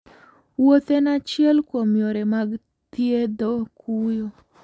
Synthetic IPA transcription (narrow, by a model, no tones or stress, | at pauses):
wot̪enat͡ʃɪɛlkwomjoɾemaɡ | t̪jed̪okʰujo